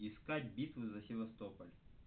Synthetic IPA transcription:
ɪskatʲbʲit̪vɨzɐsʲɪvɐst̪opɐlʲ

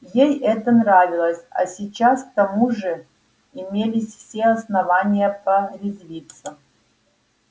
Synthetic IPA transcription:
jejɛt̪ənravʲiɪlˠəsʲa̰sʲit͡ɕask̚t̪ɐmuʐɨ | imʲelʲisʲfsʲeɐsnɐvanʲijɐpɐrʲizvʲit̪sɐ

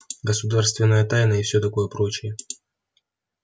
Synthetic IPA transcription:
ɡəsʊd̪arst̪vʲɪnːəjət̪ajnəɪfsʲot̪ɐko̞jəpɾo̞t͡ɕɪjə

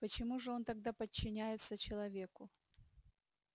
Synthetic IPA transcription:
pət͡ɕɪmuʐɨo̞nt̪ɐɡ̚d̪apət͡ɕːɪnʲæjɪt̪sət͡ɕɪlˠɐvʲe̞kʊ

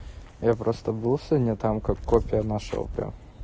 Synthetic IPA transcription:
japɾʔost̪əbɨlˠsʲənʲɛt̪amkakːopʲɪjənaʂo̰pʲɪ̰

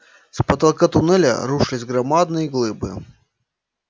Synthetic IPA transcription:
spɐt̪ɐlˠkat̪ʊnɛlʲɐ̰ɾuʂɨlʲɪsʲɡɾɐmad̪̚nɨjəɡlˠɨbɨ̰

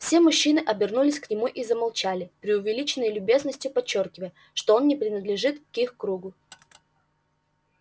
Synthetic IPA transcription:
fsʲemʊɕːinɨʔɐbʲɪrnulʲɪsʲknʲɪmuʔizəmɐlˠt͡ɕælʲɪpɾʲɪʊvʲɪlʲit͡ɕɪnːəjlʲʊbʲe̞znəsʲtʲjʊpɐt͡ɕːo̞rkʲɪvəjə | ʂt̪o̞o̞nnʲɪpɾʲɪnəd̪lʲɪʐɨt̪kixkɾuɡʊ

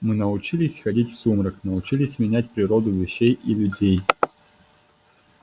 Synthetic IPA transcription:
mɨnəʊt͡ɕilʲɪsʲxɐdʲitʲfsumɾəknəʊt͡ɕilʲɪsʲmʲɪnʲæt̚ʲpɾʲɪɾod̪ʊvʲɪɕːejʔilʲʊdʲej

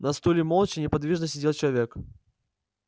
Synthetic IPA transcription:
nɐst̪ulʲɪmolˠt͡ɕɪnʲɪpɐd̪vʲiʐnəsʲɪdʲelˠt͡ɕɪlˠɐvʲek

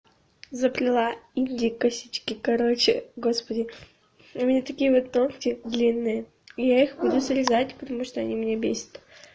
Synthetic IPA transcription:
zəplʲɪlˠainʲdʲɪkɐsʲit͡ɕkʲɪkɐɾot͡ɕɪɡo̞spədʲɪ | umʲnʲat̪ɐkʲijəvot̪ːonkʲɪd̪lʲinːɨjə | ɪjaixbud̪ʊsəɾʲɪzatʲpət̪ɐmuʂt̪oɐnʲimnʲebʲesʲə̥t̪

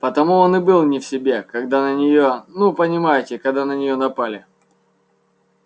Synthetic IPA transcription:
pət̪ɐmuonɨbɨlˠnʲɪfsʲɪbʲe̞kɐɡd̪anənʲɪjonupənʲɪmajɪtʲɪkɐɡd̪anənʲɪjonɐpalʲɪ

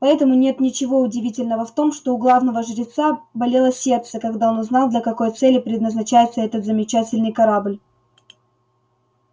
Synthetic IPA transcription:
pɐɛt̪əmʊnʲe̞t̪nʲɪt͡ɕɪvo̞ʊdʲɪvʲitʲɪlʲnəvəft̪o̞mʂt̪o̞ʊɡlˠavnəvəʐɨɾʲɪt̪sabɐlʲe̞lˠəsʲe̞rt̪səkɐɡd̪ao̞nʊznalˠd̪lʲɐkɐko̞jt̪sɛlʲːɪpɾʲɪd̪nəznɐt͡ɕæjɪt̪səɛt̪ət̪zəmʲɪt͡ɕætʲɪlʲnɨjkɐɾablʲ

